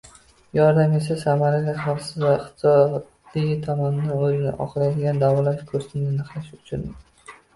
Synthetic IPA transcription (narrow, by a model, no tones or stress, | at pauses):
jɒɾd̪amesasamaɾaɡʲaχalsɪzvaɪχt̪sɒd̪lɪɡʲɪt̪ʰɒmɒnɪnɪɵzɪnɪ̰ʔɒ̰χɨɾajd̪ɪɡʲand̪avɒlaʃkʰɵɾst̪ʰɪnd̪anɨqlaʃʊ̥t͡ʃʰʊnɪ